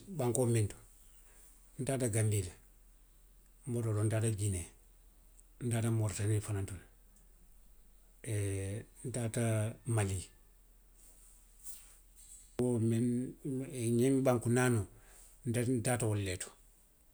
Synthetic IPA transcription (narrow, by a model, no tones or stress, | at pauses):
baŋkomintu̥ | n̩taːtaɡambile | mbotodondataɡine | ndaːtamoɾtanifanantul | e | ntatamali | omin | ɲemibaŋkunaːno | ndandatawolːeto̥